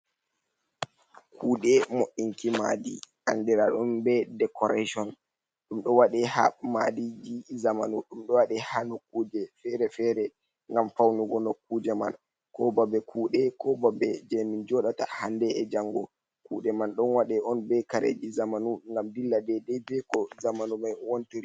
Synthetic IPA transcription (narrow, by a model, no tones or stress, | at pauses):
kʰuːɗɛmoʔiŋkima̰dḭʔandɛɾaɗɔnbɛdɛkɔɾaʃɔn | ɗumɗɔwaɗɛha̰ma̰did͡ʒizamanuɗumɗɔwaɗɛhanokːuːd͡ʒɛfɛɾɛfɛɾɛ | ŋɡamfawnuɡɔnokːuːd͡ʒɛman | kɔbabɛkʰuːɗɛkɔbabɛd͡ʒɛmind͡ʒɔɗata̰handɛɛd͡ʒaŋɡɔ | kuɗɛmanɗɔnwaɗɛɔnbɛkaɾḛd͡ʒizamanuŋɡamdilːadɛdɛbɛkɔzamanumajwontiɾi